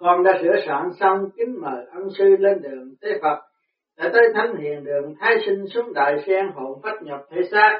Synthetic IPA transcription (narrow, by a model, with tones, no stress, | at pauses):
kɔ˨˩nɗa̰ː˧˥sɨ̰˧˥˩əsa̰ː˧˨nsa˧wŋ͡mkï˨˦ŋ̟məː˨˩ʔə˧nsɨ˧le˧nɗɨ̰˧˨əŋt̪e˨˦fə˨˩t̚ | ɗa̰ː˧˥˩t̪əː˨˦jt̪ʰə˨˦ŋhḭ˧˨ənɗɨ̰˧˨əŋt̪ʰaː˨˦jsi˧ŋ̟su˨˦ŋɗa̰ː˧˨jsɛ˧ŋɦo̰˧˨nfaː˦˥t̚ɲə˨˩p̚t̪ʰe˧˦saː˦˥